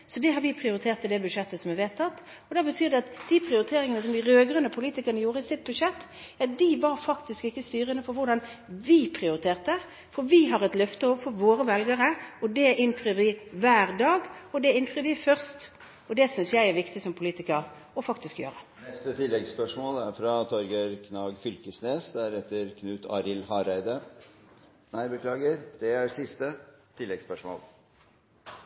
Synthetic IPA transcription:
sɔd̪ɛɦɑɾʋɪpʰʁɪʊɾɪt̪ʰeːʁt̪ɪd̪ɛbʉʂɛt̪ːəsɔmɛʋeːt̪ʰːɑt̪ː | ɔd̪ɛɑbət̪ʰyːɾd̪ɛɑt̪d̪̥ipʰɾɪʊɾɪt̪ʰeːɾɪŋənəsɔmd̪ɪɾøːɡɾənəpʰʊliːt̪ɪkəʁɾnəjuːɾəɪsɪt̪̚bʉʂɛt̪ː | æd̪ɪʋɑɾfɑkt̪ɪskɪkːəst̪yːɾənəfɔɾʋʊd̪ɑnʋɪpʰɾɪʊɾɪt̪ʰeːʁt̪ə | fɔɾʋɪɦɑɾɛt̪lœft̪əɔʋəfɔɾʋoːɾəʋɛlɡəɾəɔd̪ɛʔɪnfɾyːɾʋɪʋæːɾd̪ɑːɡɔd̪ɛɪnfʁyːɾʋɪfœʁst̪ | ɔd̪ɛsʏnsjæɪæʁʋɪkt̪ɪsɔmpʰʊliːt̪ɪkəʁ | ɔfɑkt̪ɪskjøːʁənɛst̪ət̪ʰɪlːɛɡspœʂmoːlæɾfɾɑt̪ʰɔɾɡəɾkʰnɑːɡfʏlkəsneːsd̪æɾɛt̪ːəɾkʰnʉːt̪ʰɑ̰ːɾɪlhɑːɾæɪd̪ə | næɪbəkʰlɑːɡəɾd̪̥ɛæɾsɪst̪ət̪ʰɪlːɛɡspœʂmo̰ːl

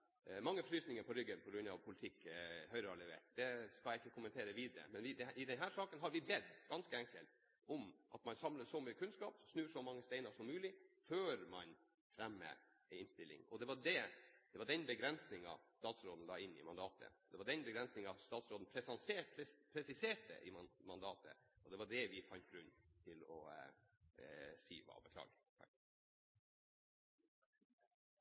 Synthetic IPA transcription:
mɑŋːəfɾyːsnɪŋəɾpʰɔɾʏɡːənpʰɔɡɾʉnːɑ̰ʋpʰʊlɪt̪ʰɪkːhœʏɾəɑlɛʋḛːʈd̪ɛskɑljæɪɪkːəkʰʊmənt̪ʰeːɾəʋiːd̪əɾə̰mɛnʋɪd̪ɛʔɪd̪ɛnɦæːʂɑːkənɦɑɾʋɪbɛd̪ɡ̥ɑnskəɛŋkəlt̪ | ɔmʔɑ̰t̪mɑnsɑmləsɔmyːəkʰʉnskɑːpsnʉːʂɔmɑŋːəst̪ɛɪnɑʂɔmːʉːlɪføːɾmɑn | fɾɛmːə̰ | ɪnst̪ɪlːɪ̰ŋɔd̪ɛʋɑɖɛd̪̥ɛʋɑɖɛnbəɡɾɛnsnɪŋɑ̰st̪ɑːt̪sɾoːd̪n̩lɑːɪnːɪ̰mɑnd̪ɑːt̪ʰə̰ɔd̪ɛʋɑɖɛnbəɡɾɛnsnɪŋɑst̪ɑːt̪sɾoːd̪n̩pʰɾɛsɑnseːpʰɾɛpʰɾɛsɪseːʈə̰ʔɪmɑnd̪ɑːt̪ʰə̰ɔd̪ɛʋɑɖɛʋɪfɑnt̪̚ɡɾʉnːt̪ʰɪlɔ̰ | sḭːʋɑ̰ːbəkʰlɑ̰ːɡfɑ̰k̪

